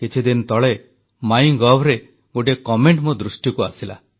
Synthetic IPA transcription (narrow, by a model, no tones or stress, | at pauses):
kit͡ʃʰid̪int̪ɔɭe | majŋɡɔbɾe | ɡoʈ̬ekɔmeɳʈmud̪ɾusʈjɔkuasila̰